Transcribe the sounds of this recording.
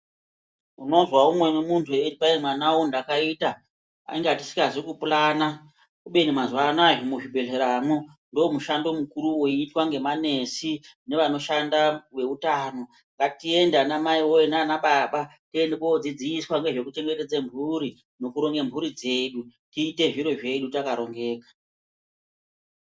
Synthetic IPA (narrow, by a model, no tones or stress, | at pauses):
uno̞zwaumwe̞nemuntʰueipaimwanawondakaita | a̰iŋɡeati̥si̥kazikupulana | kuɓe̞nimazwanajomuʐibʱe̞ɮeɾamo | ndoomuʃando̞mukuɾuwoiːtwaŋɡe̞mane̞sine̞ʋano̞ʃandawe̞utaːno̞ | ŋɡatie̞ndanamaiwoenanaɓaɓatie̞ndikod͡zid͡ziiswaŋɡe̞ʐe̞kute̞ŋɡe̞te̞d͡zembʱuɾi | no̞kuɾo̞ŋɡe̞mbʱuɾid͡ze̞ɗutiːte̞ʐiɾoʐe̞ɗutakaɾo̞ŋɡe̞ːkḁ